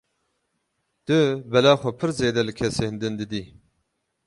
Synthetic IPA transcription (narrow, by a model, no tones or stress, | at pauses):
t̪ɨbɛlaːxʷɛpʰɨɾzeːd̪ɛlɨkʰɛseːhɨnd̪ɨnd̪ɨd̪iː